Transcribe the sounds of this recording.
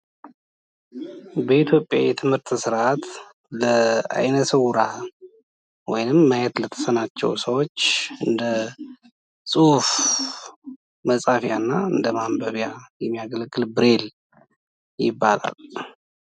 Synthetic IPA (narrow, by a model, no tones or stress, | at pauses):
bəit̪ʰjo̞pʼːja̰jɛt̪ʰɨmhɨɾt̪sɨɾʔat̪ | ləa̰jnəsəwɾa | wɔ̰jnɨmːajɛt̪lət̪ʰə̥sənat͡ʃːɛ̰wsəwot͡ʃːɨnd̪ə | sʼuhuf | məsʼafjanːaɨnd̪əmambəβjajɛmːijaɡəlɡːɨlbɨɾe̞l | jɪbːa̰la̰l